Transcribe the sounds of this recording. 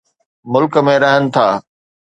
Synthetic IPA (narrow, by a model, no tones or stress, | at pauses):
mʊlkə̆mẽɾɐɦənɪ̆t̪ʰaː